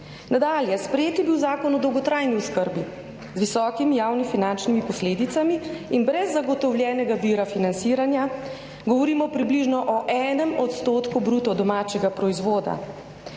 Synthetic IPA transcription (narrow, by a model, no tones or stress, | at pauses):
nad̪aːljɛspɾɛjeːt̪jɛbiwzaːkɔnɔd̪ɔwɡɔt̪ɾajniuskəɾbi | zʋisɔːkimijaːwnifinant͡ʃnimipɔsleːd̪it̪samiːnbɾɛzːaɡɔt̪ɔwljɛːnɛɡaʋiɾafinant̪siːɾanja | ɡɔʋɔɾiːmɔpɾibliʒnɔʔɔʔɛːnɛmɔt̪st̪oːt̪kubɾuːt̪ɔd̪ɔmaːt͡ʃɛɡapɾɔizʋoːd̪a̰